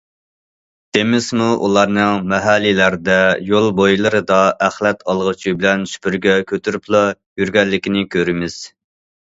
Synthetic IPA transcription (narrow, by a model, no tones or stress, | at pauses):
d̪̥emɪzmuʔṵlˠɑɾnɨŋmɛɦælːilæɾd̪ɛjolˠbojlˠɨɾɨd̪ɑʔæχlɛt̪ʰɑlˠʁət͡ʃʰibɪlɛnʃy̥pyɾɡʲɛkʲʰøt̪ʰyɾyplˠɑ | jyɾɡʲɛlːɪkʲinɪkʲʰøɾɪmɪz̥